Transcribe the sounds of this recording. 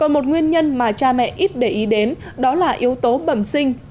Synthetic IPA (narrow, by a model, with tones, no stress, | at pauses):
kɔ˨˩nmo˨˩t̚ŋwi˧ənɲə˧nmaː˨˩t͡ɕaː˧mɛ̰˧˨ʔi˦˥t̚ɗe˧˩ʔi˨˦ɗe˨˦n | ɗɔ˨˦laː˨˩ʔi˨˦əwt̪o˨˦ɓə˧˩msï˧ŋ̟